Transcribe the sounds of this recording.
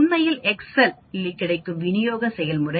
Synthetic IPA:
nːɐjɪlɛksɐl | ɪlːɪkːɪɽɐɪkːɯmʋɪnɪjoːɣɐsɛjɐlmʊrɐ

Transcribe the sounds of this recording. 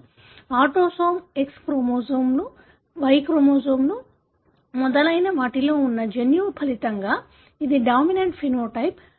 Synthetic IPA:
aːʈoːsoːmekspɾomoːzɐːmlu | ʋɐjkɾomoːzoːmlu | mɔd̪ɐlɐjnɐʋaːʈiloːunːɐd͡ʒenjuːpʰɐlit̪ɐŋɡaː | id̪iɖaːmineɳʈpʰinoːʈɐjp

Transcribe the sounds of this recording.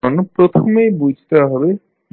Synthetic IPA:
ənpɾɔt̪ʰomebud͡ʒʱt̪aɦɔbe

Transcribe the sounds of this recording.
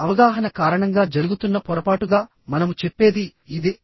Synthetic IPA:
ɐʋɐɡaːɦɐnɐkaːɾɐɳɐŋɡaːd͡ʒɐɾuɡut̪unːɐpɔɾɐpaːʈuɡaː | mɐnɐmut͡ʃepːe̞ːd̪iid̪i

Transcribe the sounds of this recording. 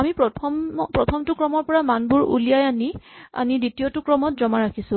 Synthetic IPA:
amipɔɔpɹɔtʰɔmtʊkɹɔmɔɹpɔɹamanbuɹṵlijajania̰niditiɔtʊkɹɔmɔtzɔmaɹakʰisʊ̃

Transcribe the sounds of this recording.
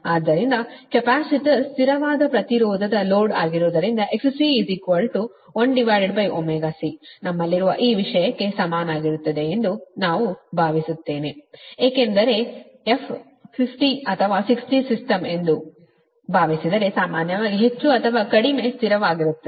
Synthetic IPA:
aːd̪ːɐɾind̪ɐkepaːsiʈist̪iɾɐʋaːd̪ɐpɾɐt̪iɾɔːd̪ʱɐd̪ɐloːɖaːɡiɾoːd̪ɐɾind̪ɐʔe̞kssiːzikʋɐlʈu | oɳɖɖiʋaːɾiɖbɐjʔomɛːɡaːsinɐmːɐlːiɾuʋɐ̰ʔiːʋiʂɐjɐkːe̞sɐmaːnaːɡiɾut̪ːɐd̪e̞end̪unaːʋubʱaːʋisut̪ːe̞ːneeːkend̪ɐɾe̞ | epʰ | pʰipʰʈiɐt̪ʰɐʋaːsiksʈisisʈɐme̞nd̪u | bʱaːʋisid̪ɐɾe̞saːmaːnjɐʋaːɡiɦe̞t͡ʃːuɐt̪ʰɐʋaːkɐɽime̞ːst̪ʰiɾɐʋaːɡiɾut̪ːɐ

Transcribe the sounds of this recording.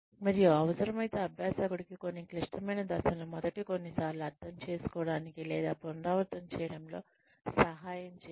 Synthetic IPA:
mɐɾijuɐʋɐsɐɾɐmɐjt̪eːɐbʱjaːsaːkuɽikiko̞nːikliʂʈɐmɐjnɐd̪ɐsɐlɐmɔd̪ɐʈiko̞nːisaːɾluɐɾt̪ːɐmt͡ʃe̞ːsu̥kɔːɽaːnikilɛːd̪aːpɔnɾaːʋɐɾt̪ɐmt͡ʃɛːjɐɽɐmlo̞ː | sɐɦaːjɐmt͡ʃː

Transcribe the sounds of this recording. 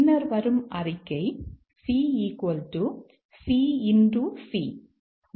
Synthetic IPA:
nːɐɾʋɐɾɯmɐrɪkːɐɪ | siːiːkoːlʈu | siːɪnɖusiː

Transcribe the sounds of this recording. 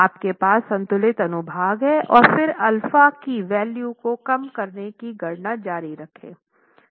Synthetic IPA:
aːpkepaːsːɐ̃nt̪ʊlɪt̪ɐnʊbʱaːɡɦɛʔɔːɾfɪɾɐlfakiʋɛːljuːkokɐmkɐɾnekiɡɐɽnad͡ʒaːɾiɾɐkʰḛ̃ː

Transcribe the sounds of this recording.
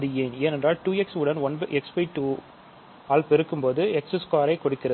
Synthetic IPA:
ɐðɯeːneːnɛndraːlʈuːɛksʊɽɐnʋɐnbɐʔɛkspɐɪʈuː | aːlpɛɾɯkːɯmpoːðɯɛksɯskaːɾɐɪkɔɽɯkːɪɾɐ

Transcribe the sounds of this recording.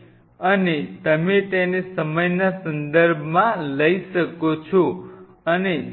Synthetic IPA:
ənet̪əmẽt̪enesəməjnasənd̪əɾbʱmãləisəkot͡ʃʰo | əne

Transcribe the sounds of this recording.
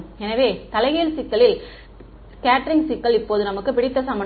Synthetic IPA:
ɛnɐʋeːt̪ɐlɐɪɣeːlsɪkːɐɭɪl | skaːʈːɾɪŋsɪkːɐɭɪpːoːðɯnɐmɯkːɯpɪɽɪt̪ːɐsɐmbɐɳ

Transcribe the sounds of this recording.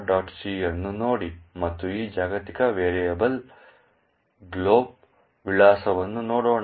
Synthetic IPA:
ɖaːʈsiːɐnːunoːɽimɐt̪ːuiːd͡ʒaːɡɐt̪ikɐʋeːɾɛjɐbɐl | ɡloːb̚ | ʋiɭaːsɐʋɐnːunoːɽoːɳ

